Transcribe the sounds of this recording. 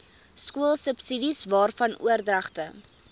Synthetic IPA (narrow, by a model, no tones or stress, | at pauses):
skuəlˠsəpsidisvɑːrfɐnʔṵərdrɐχtə